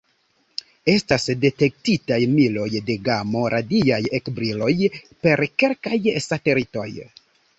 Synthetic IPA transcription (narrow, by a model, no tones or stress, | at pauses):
e̞stasde̞te̞k̚titajmilo̞jde̞ɡamo̞ɾʔadiajekbɾilo̞jpe̞ɾke̞lkajsate̞lito̞̰j